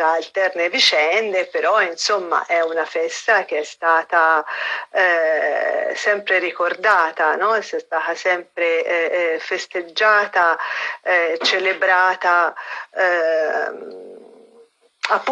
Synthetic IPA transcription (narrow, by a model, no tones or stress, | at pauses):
aːlt̪ɛrnevit͡ʃɛnd̪epeɾɔinsomːa̰ʔɛunafɛst̪ak̟eɛst̪aːt̪a | sɛmpɾeɾikord̪aːt̪anɔɛsɛst̪aːt̪asɛmpɾe | fest̪ed͡ʒːaːt̪aɛt͡ʃelebɾaːt̪aɛ | apː